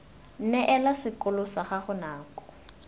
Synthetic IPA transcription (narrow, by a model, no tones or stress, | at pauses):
n̩nɛʔɛlasɪkʊlʊsaχaχʊnaːkɔ̥